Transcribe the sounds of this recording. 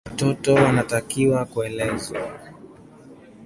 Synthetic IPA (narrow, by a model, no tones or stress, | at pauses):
watɔtɔwanatakiwakuɛlɛzwa